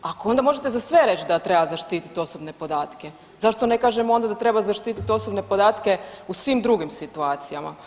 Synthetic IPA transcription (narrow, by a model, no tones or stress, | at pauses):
ako̞o̞nd̪amo̞ʒe̞t̪e̞zasʋeɾe̞t͡ʃd̪at̪ɾe̞bazaʃt̪iːt̪i̥t̪o̞sobne̞po̞d̪aːt̪ke | zaʃt̪o̞ne̞kaːʒemo̞nd̪ad̪at̪ɾe̞bazaʃt̪iːt̪it̪o̞sobne̞po̞d̪aːt̪ke̞usʋiːmd̪ɾuɡimsit̪uaːt̪sijama̰